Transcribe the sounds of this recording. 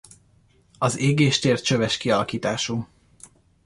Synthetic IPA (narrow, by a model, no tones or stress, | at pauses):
ɒzeːɡeːʃt̪eːr̚t͡ʃøvɛʃkiɒlɒkiːt̪aːʃu